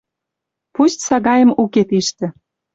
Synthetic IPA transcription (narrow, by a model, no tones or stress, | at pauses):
pust̪sɑɣɑjə̆muket̪iʃt̪ĕ